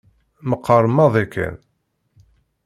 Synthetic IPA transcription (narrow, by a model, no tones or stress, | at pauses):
məqʰːərˤəmːɑðˤikːæ̰n